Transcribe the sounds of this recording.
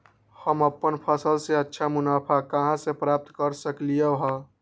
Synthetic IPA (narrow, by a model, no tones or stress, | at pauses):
həməpːənpʰəsəlseətːʃʰamʊnaːpʰakəɦãsepɾaːp̚t̪kəɾsəklijəɦə